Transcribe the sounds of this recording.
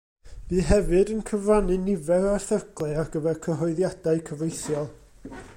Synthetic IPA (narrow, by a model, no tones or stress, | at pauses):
viːɦɛvɨdənkʰəvranɨnɪvɛɾɔθərɡ̥lˠɨarɡəvɛrkʰəɦɔɨðjadaɨkʰəvejθjɔlˠ